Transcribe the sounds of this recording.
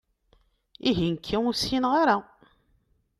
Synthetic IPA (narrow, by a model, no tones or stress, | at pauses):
iʝinkʰːiusinʁaɾa